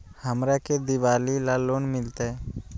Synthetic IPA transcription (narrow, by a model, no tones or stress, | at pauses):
həmɾaked̪ɪʋaːlilaloːnmɪlt̪e